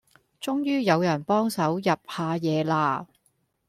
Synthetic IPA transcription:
t͡sʊ˥ŋjyː˥jɐ˨˧wjɐ˨˩npɔː˥ŋsɐ˨˥wjɐ˨p̚haː˨˧jɛː˨˧laː˧

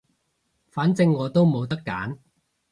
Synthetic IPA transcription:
faː˨˥nt͡sɪ˧ŋːɔː˨˧t̪o˥wmo˨˧wt̪ɐ˥kːa̰ː˨˥n

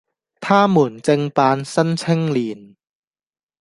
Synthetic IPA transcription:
t̪ʰaː˥˩muː˨˩nt͡se˧ŋpaː˧nsɐ˥nt͡sʰɪ˥ŋliː˨˩n

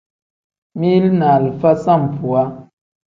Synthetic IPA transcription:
mi˦lna˨lfa˦sa˦˨m˨pʰu˨a˦

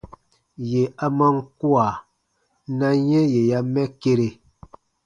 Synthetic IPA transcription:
je˨a˦ma˦ŋ̩˦kwa˨ | na˦ɲɛ˦je˨ja˦mɛ˦ke˦ɾe˨

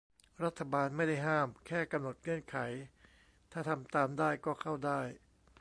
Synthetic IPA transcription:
ɾa˦˥t̪ʰːa˧baː˧nma˥˩jda˥˩jɦaː˥˩mkʰɛː˥˩ka˧mno˨˩t̪̚ŋɯ˥˩ənkʰa˩˦j | t̪ʰaː˥˩t̪ʰa˧mt̪aː˧mdaː˥˩jkɔː˥˩kʰa˥˩wdaː˥˩j

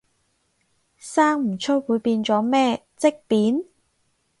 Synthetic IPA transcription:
saː˥ŋm̩˨˩t͡sʰɵ˥wwuː˨˧jpiː˧nt͡sɔː˨˥mɛː˥ | t͡sɪ˥k̚piː˨˥n

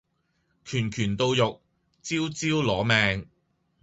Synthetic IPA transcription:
kʰyː˨˩nkʰyː˨˩nt̪o˧wjʊ˨k̚ | t͡siː˥wt͡siː˥wlɔː˨˥mɛː˨ŋ

